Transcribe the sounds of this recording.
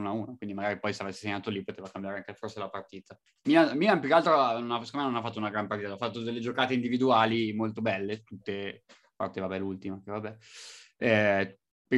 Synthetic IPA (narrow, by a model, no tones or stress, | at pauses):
unauːnokwind̪imaɡaɾipɔjseavɛsːeseɲːaːt̪olipot̪eːvakambjaːɾeaŋkeforselapart̪iːt̪a | miamiampjukealt̪ɾononaskomajnonafːat̪ːounaɡɾampaɾrt̪iːt̪aafːat̪ːod̪elːed͡ʒokaːt̪eind̪ivid̪uaːlimolt̪obɛlːet̪ut̪ːe | apa̰rt̪evabɛlult̪imakevabɛ | ɛ | p